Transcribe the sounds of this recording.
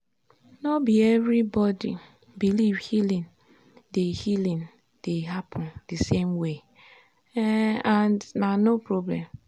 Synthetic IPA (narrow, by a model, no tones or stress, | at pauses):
nɔbiɛvɾibɔdḭ | bilivhilĩn | dehilĩn | d̥eɦapʰɔ̃ndisemwe | ãndnanopɹɔblɛ̰̃m